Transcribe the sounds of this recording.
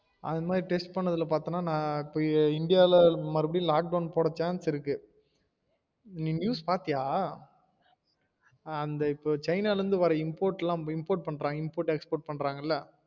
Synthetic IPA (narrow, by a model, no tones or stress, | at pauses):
ɐ̰ðmaːd̪ɾiʈɛsʈ̚pɐɳːɐðɪlɐpaːɾt̪ɯŋnaːnãːɪpːoːɪɳɖɪjaːlmɐɾɯbɐɽɪjũlaːk̚ɖɐʊnpoːɽɐt͡ʃːaːnsɪɾɯkːɯ | nĩːnjuːspaːɾt̪ɪjaː | ɐnd̪ɐɪpːoːt͡ʃɐɪnaːlɾɯnd̪ɯʋɐɾɐɪmpoːɾʈːɛlãːɪmpoːɾʈ̚pɐɳɾaːŋɡɐɪmpoːɾʈɛkspoːɾʈ̚pɐɳːɾaːŋɡɐɪlːɐ